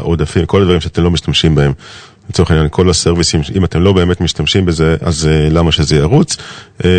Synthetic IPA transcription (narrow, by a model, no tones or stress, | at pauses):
ʔod̪afimko̞lad̪vaʁimʃeat̪e̞mlo̞miʃtamʃimbae̞m | let͡soenjankʰo̞laseʁvisimimate̞mlo̞be̞ːme̞tmiʃtamʃimbeze̞ʔa̰zelamaʃezejaʁut͡s